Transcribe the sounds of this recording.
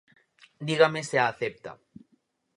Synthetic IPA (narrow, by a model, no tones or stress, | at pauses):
d̪iɣameseaːθep̚t̪a̰